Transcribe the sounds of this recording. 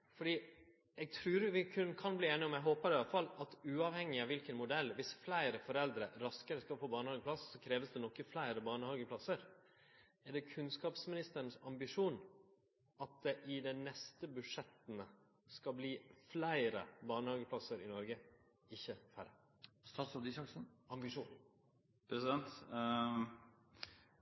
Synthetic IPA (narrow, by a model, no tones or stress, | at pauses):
fɔɖiː | ɛɡ̚t̪ʰɾʉːɾʋɪkʰʉnkʰɑnbliːeːnɪɔmɛɦoːpəɾɪɑlfɑlːɑt̪ʉːɑʋhɛŋːɪɑʋɪlkənmʊd̪ɛlːʋɪsflæɪɾəfɔɾɛld̪ɾəɾɑskəɾəskɑfoːbɑːɳəhɑːɡəpʰlɑsːɔkʰɾeːʋəsd̪ɛnɔkːəflæɪɾəbɑːɳəhɑːɡəpʰlɑsəɾ | ɛɖɛkʰʉnskɑːpsmɪnɪst̪əɾəɳ̩sɑmbɪʂuːn | ɑt̪̚d̪ɛʔɪd̪ɛnɛst̪əbʉʂɛt̪ːənə | skɑlbliːflæɪɾə̰bɑːɳəhɑːɡəpʰlɑsəɾɪnɔɾɡə | ɪçːəfæɾə | st̪ɑːt̪sɔd̪ɪsɑksn̩ɑmbɪʂuːn | pʰɾɛsɪd̪ɛnt̪